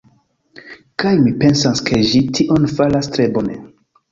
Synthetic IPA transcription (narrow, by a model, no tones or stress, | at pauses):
kajmipe̞nsanskʰe̞ʒitʰiʔo̞nfalastɾe̞bo̞ne